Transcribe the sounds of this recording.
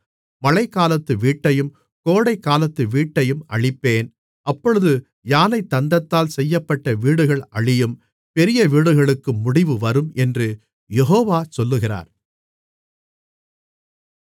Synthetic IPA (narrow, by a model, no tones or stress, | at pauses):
mɐɻɐɪkːaːlɐt̪ːɯʋiːʈːɐjɯm | koːɽɐɪkːaːlɐt̪ːɯʋiːʈːɐjɯmʔɐɻɪpːeːn | ʔɐpːɔɻɯðɯ | jaːnɐɪt̪ːɐnd̪ɐt̪ːaːlsɛjːɐpːɐʈːɐʋiːɽɯɣɐɭʔɐɭɪjɯm | pɛɾɪjɐʋiːɽɯɣɐɭɯkːɯmːʊɽɪʋɯʋɐɾɯmɛndrɯ | jɛɦoːʋaːsɔlːɯɣɪra̰ːɾ